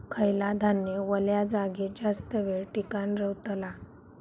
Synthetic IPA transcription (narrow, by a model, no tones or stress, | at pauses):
kʰəjlad̪ʱanjəʋəljad͡zaɡid͡ʑast̪əʋeɭʈikanɾəwt̪la